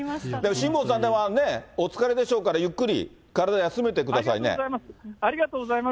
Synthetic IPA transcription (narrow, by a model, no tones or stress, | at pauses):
d̪emoɕĩmboːs̬ãnd̪eβane̞ot͡sɨ̥kaɾe̞d̪e̞ɕo̞ːkaɾajɯkːɯ̟ɾʲḭ | kaɾad̪aasɨme̞t̪e̞kɯ̟d̪as̬aine̞̰saɾʲiɡat̪oːɡozaima